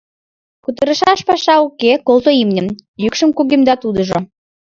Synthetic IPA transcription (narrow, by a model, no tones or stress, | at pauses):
kut̪̬əɾə̆ʃɑʃpɑʃɑukekolˠt̪oimnʲə̆mjykʃəmkuɣimd̪ɑt̪ud̪ə̆ʒo